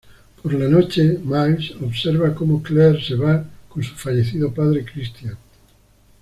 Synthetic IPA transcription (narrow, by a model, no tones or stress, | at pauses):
poɾlanot͡ʃemajsoβseɾβakomokleɾseβakõnsu̥faʎeθiðopaðɾekɾist̪jan